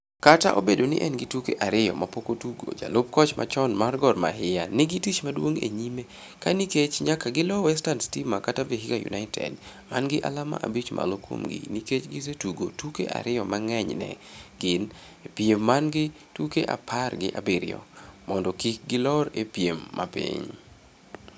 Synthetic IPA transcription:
kataʔobedonɪ̰ʔɛnɡɪtukeʔaɾɪjɔ̰mapokotuɡo̰d͡ʒalop̚kɔt͡ʃmʔa̰t͡ʃɔnmarɡɔrma̰ɦɪjanɪɡitit͡ʃmadwoŋḛɲime | kaniket͡ʃɲakaɡɪlɔwɛstanstimakataveɦikajṵnʔaɪtʰɛ̰d | manɡɪʔa̰lama̰ʔabit͡ʃmʔa̰lokwo̰mɡɪ̰niket͡ʃɡɪs̬etuɡotukḛʔa̰ɾɪjɔmaŋɛɲnɛ̰ɡɪn | epjemːanɡɪ | tukeʔapʰarɡɪʔabɪɾɪ̰jɔ̰mɔndɔkik̚ɡɪlɔɾepjemːa̰pḭɲ

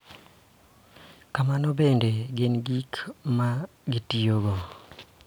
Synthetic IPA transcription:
kamanoβeːndeɡeniɡikma | ɡitijoɡo

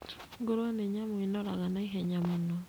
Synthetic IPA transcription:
ŋɡoɾwaneɲamoinɔɾaɣanaiɦɛɲamonɔ

